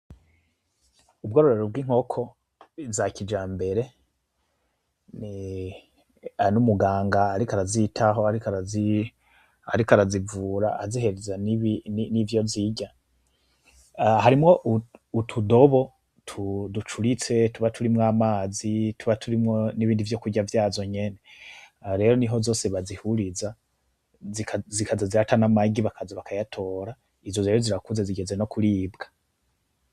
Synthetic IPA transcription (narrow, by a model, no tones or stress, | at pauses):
ub̚ɡoːɾoɾe̞ɾob̚ɡiːŋ̥ho̞kʰo̞ | vzakid͡ʒaːmbe̞ɾe̞ | ni | anumuɡaːŋɡaːɾikaɾazitʰaɦo̞aɾikaɾazi | a̰ɾikaɾazivuːɾaazihe̞ɾezaniβininivjo̞vziɟa | ɦaɾimŋo̞ʔuutʰudo̞βo̞ | tʰudut͡ʃuɾit͡se̞tuβatʰuɾimŋaːmaːzitʰuβatʰuɾimŋoniβiːndivjo̞kuɟavjaːzo̞ɲe̞ne | ɾe̞ːɾo̞niɦo̞zo̞ːse̞βazihuɾiza | zikazikʰazaziɾatanamaɡiβakʰazaβakajatʰo̞ːɾa | izozejɾoziɾakuzeziɡe̞ze̞no̞kuɾiːbɡḁ